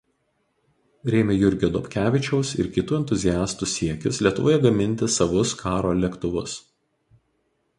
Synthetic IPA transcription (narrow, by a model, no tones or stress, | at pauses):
ɾʲeːmʲɛjʊɾʲɡʲjoːd̪ɔːpʲkʲæːʋʲɪt͡ʃʲɛʊsɪ̰ɾkʲɪt̪uːɛnt̪ʊzʲɪjæːst̪usʲiɛkʲʊslʲiɛt̪ʊʋoːjɛɡɐmʲɪnʲt̪ʲɪsɐʋʊskʰɑːɾoːlʲɛkt̪ʊʋʊs